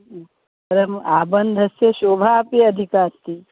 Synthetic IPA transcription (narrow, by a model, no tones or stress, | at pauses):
pɐɾɐmaːbɐnd̪ʱɐsjeʃoːbʱaːpeɐd̪ʱikaːst̪i